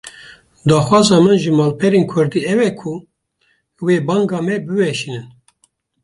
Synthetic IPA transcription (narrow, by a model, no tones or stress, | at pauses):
d̪ɑːxwɑːzɑːmɨnʒɨmɑːlpʰɛɾeːnkʰʊɾd̪iːɛwɛkʰu | weːbɑːŋɡɑːmɛbɨwɛʃinɨn